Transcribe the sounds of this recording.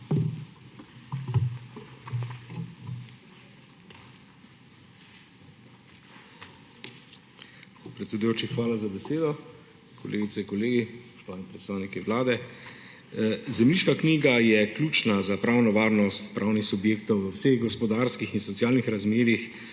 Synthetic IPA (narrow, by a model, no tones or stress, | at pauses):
pɾɛt̪sɛd̪ujoːt͡ʃixʋaːlazabɛseːd̪ɔ | kʰɔlʔḛːɡit̪sɛiŋkɔleːɡispɔ̥ʃt̪ɔʋaːnipɾɛt̪st̪aːwnikiʋlaːd̪ɛ | zɛmliːʃkakniːɡajɛklʲjuːt͡ʃnazapɾaːwnɔʋaːɾnɔst̪pɾʔaːwnixsubjeːkt̪ɔwʋəwseɣɡɔspɔd̪aːɾskixinsɔt̪sjaːlnixɾazmeːɾix